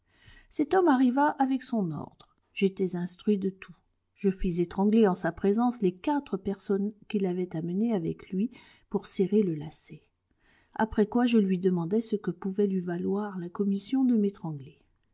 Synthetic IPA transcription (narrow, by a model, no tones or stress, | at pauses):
sɛt̪ɔmaʁivaʔavɛksɔ̃nɔ̰ʁd̪ʁə | ʒ̥et̪ɛzɛ̃st̪χɥid̪ət̪ʰu | ʒ̥əfizet̪χɑ̃ɡleɑ̃sapχezɑ̃slekat̪χəpɛʁsɔnkʲilavɛt̪aməneavɛ̰klɥi | puʁseʁeləlase | a̰pχɛkwaʒəlɥid̪əmɑ̃d̪ɛsəkəpuvɛlɥivalwaʁlakɔmisjɔ̃d̪əmet̪χɑ̃ɡle